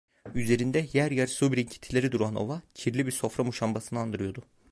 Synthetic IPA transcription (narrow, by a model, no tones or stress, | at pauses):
yze̞ɾind̪ɛjæɾjæɾsubɾiɲcʰi̥t̪ʰilʲe̞ɾid̪uɾano̞̰vacʰiɾlʲibiɾso̞fɾamuʃambasɯnɯand̪ɯɾɯjo̞d̪ʊ